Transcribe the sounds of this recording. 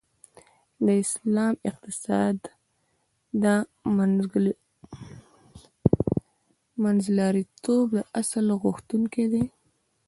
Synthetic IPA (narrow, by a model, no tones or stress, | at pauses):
d̪əɪslɑmɪq̚t̪ɪsɑd̪ | ə | manzlɑɾit̪ʰobd̪əʔasalɣʊxt̪uŋked̪e